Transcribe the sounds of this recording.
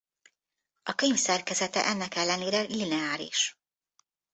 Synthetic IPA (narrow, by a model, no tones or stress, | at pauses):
ɒkøɲfsɛrkɛzɛt̪ɛ̰ʔɛnːɛkɛlːɛneːɾɛlinɛaːɾḭʃ